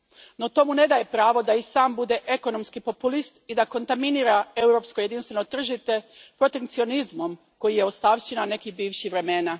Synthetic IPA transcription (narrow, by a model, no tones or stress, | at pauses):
no̞t̪o̞ːmune̞d̪ajepɾaːʋo̞d̪aisaːmbud̪e̞ʔeko̞no̞mskipo̞pulist̪id̪ako̞nt̪aminiɾae̞uwɾo̞ːpsko̞je̞d̪inst̪ʋe̞not̪r̩ʒit̪e̞pɾo̞t̪eŋkt̪sio̞nizmo̞m | ko̞jije̞ost̪aʋʃenane̞kibiːʋʃiʋɾe̞me̞na